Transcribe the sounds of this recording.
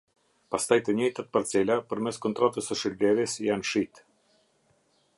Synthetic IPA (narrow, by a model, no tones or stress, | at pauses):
past̪ajt̪əɲɛjt̪at̪̚paɾt͡sɛlʲapəɾmɛskɔnt̪ɾɔt̪əsəʃəllɛɾisjanʃit̪